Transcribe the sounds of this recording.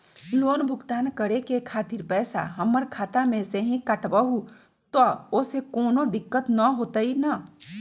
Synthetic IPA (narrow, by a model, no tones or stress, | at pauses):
loːnbʱʊɡt̪aːnkəɾekekʰaːt̪ɪɾpɛːsa̰ɦɐmːəɾkʰaːt̪amẽseɦĩkaʈbaɦu | t̪ɔosekoːnod̪ɪkːət̪nɐɦoːt̪aina